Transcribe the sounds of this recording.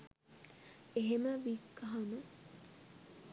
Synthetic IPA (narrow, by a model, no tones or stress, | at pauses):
eɦeməʋikːɐɦanə